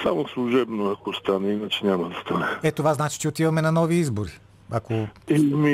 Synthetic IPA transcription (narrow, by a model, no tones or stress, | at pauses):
samoslˠuʒɛbnoakost̪anɛinat͡ʃɛɲʲamɐd̪ɐst̪anɛɛt̪ovaznat͡ʃi̥t͡ʃɛot̪ivɐmɛnɐnɔviizboɾi | akoɛmi